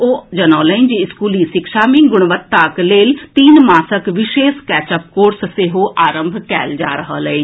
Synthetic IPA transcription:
oːd͡ʒənõːlə̃nd͡ʒiɪskuːliːʃɪkʃaːmĩːɡʊɽ̃ʋət̪ːaːkleːlt̪iːnmaːsəkʋɪʃeːskɛːt͡ʃəp̚koːɾsseɦoːʔaːɾəmbʱkɛ̰ːld͡ʒaːɾəɦəːləe

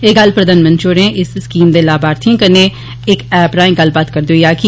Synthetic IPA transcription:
eːɡɐlpɾɐd̪aːnmɐ̃nt͡ʃoːɾẽʔɪsɪskiːmd̪elaːbaːɾt̪ʰĩkɐnẽ | eːkɛːpɾãːɪ̃ɡɐlbaːt̪kɐɾd̪oijaːki

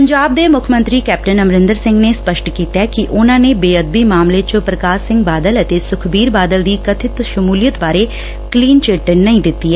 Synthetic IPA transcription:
pəɲd͡ʒaːb̚d̪eːmʊkʰmə̃nt̪ɾiːkɛːp̚ʈənəmɾɪ̃nd̪əɾsɪ̃ŋɡneːspəʃʈkiːt̪ɛːkiʔʊnãːneːbeːəd̪̚biːmaːmleːt͡ʃəpɾəkaːsɪ̃ŋɡ̚baːd̪ələt̪eːsʊkʰbiːɾbaːd̪əld̪iːkət̪ʰɪt̪ʃəmuːlijət̪baːɾeː | kliːnt͡ʃeːʈənəĩːd̪ɪt̪ːiːɛː

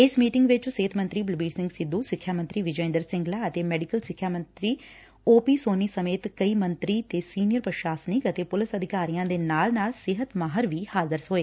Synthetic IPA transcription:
ɪsmiːʈɪŋɡʋɪt͡ʃseːt̪ʰmə̃nt̪ɾiːbəlbiːɽsɪ̃ŋɡsɪd̪ːuːsɪkʰːjaːmənt̪ɾiːʋɪd͡ʒɔːɪ̃nd̪əɾsɪ̃ŋɡlaːət̪eːmɛːɖɪkəlsɪkʰːjaːmə̃nt̪ɾiː | oːpiːsoːniːsəmeːt̪kəiːmə̃nt̪ɾiːt̪eːsiːnɪjəɾpɾəʃaːsnɪkət̪eːpʊlɪsəd̪ʱɪkaːɾijãːd̪eːnaːlnaːlsɪɦət̪maːɦəɾʋiːhaːzəɾsɦoːeː

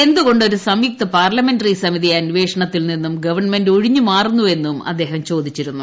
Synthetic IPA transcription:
e̞nd̪uɣo̞ɳɖo̞ɾusɐmjik̚t̪ɐpaːrlɐme̞ndɐrisɐmiðiɐnʋe̞ːʂɐɳɐt̪ːilninːumɡɐʋɐrɳmendo̞ɻiɲːumaːrunːue̞nːumɐ̰d̪ːe̞ːɦɐmt͡ɕo̞ːd̪it͡ɕːiɾunːu

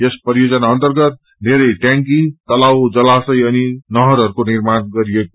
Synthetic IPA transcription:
jespʌɾijod͡zʌnaʌnt̪ʌrɡʌt̪̚ | d̪ʱeɾʌjʈjãŋkit̪ʌlawd͡zʌlasʌjʌninʌɦʌɾɦʌɾukoniɾmanɡʌɾijeko

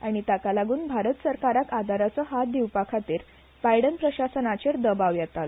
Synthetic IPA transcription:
aɽ̃it̪akalaɡuːnbʱaɾət̪səɾkaɾakad̪ʱaɾat͡səɦat̪̚d̪iwpakʰat̪iːɾ | pajɽənpɾəɕasənat͡ɕeɾd̪əbaʋjɛt̪al

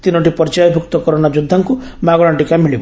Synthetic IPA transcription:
t̪inoʈipɔɾt͡ʃajɔbʱuk̚t̪ɔkɔɾonad͡ʒud̪ʱːaŋku | maɡɔɭaɳʈikamiɭib

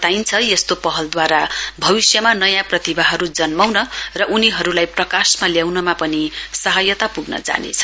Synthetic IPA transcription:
ʌt̪ajnt͡sʰʌjest̪opʌɦʌld̪waɾabʱʌbisjʌmanʌjãprʌt̪ibaɦʌɾud͡zʌnmawnʌrʌʔuniɦʌɾulajprʌkasmaljawnʌmapʌnisʌɦʌjʌt̪apuɡnʌ̰d͡za̰nḛt͡sʰʌ̥

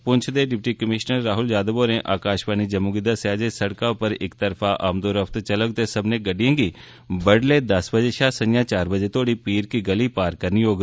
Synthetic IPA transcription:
pʊɲt͡ʃʰd̪eːɖɪp̚ʈiːkəmɪʃnəɾːaːɦʊld͡ʒaːd̪əboːnẽːʔaːkaːʃbaːniːd͡ʒəmuːɡɪd̪aːsjaːd͡ʒesəɽkaːʊpəɾɪkt̪əɾfʰaːʔaːmd̪oːɾəft̪t͡ʃələɡ̚t̪esəbnẽːɡəɖijãːɡiː | bəɽleːd̪əsbəd͡ʒeːʃaːsəɲjãːt͡ʃaːɾbəd͡ʒeːt̪ʰoːɽiːpiːɾkiːɡəliːpaːɾkəɾnijoːɡ

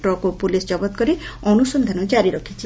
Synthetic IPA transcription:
ʈɾɔkopulisd͡ʒɔbɔt̪̚kɔɾiɔnusɔnd̪ʱanɔd͡ʒaɾiɾɔkʰit͡ʃʰi

